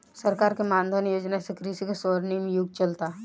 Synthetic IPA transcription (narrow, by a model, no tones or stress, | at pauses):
sɐɾkaːɾkemãːnd̪ʱənjoːd͡ʒnasekɾisikasɔːɾnimẽjʊɡ̚t͡ʃɐlt̪a